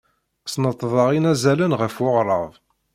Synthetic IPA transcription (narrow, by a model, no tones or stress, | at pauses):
snət̪ˤːðˤɑʁinæzælənʁəfʊʁɾˤəvˤ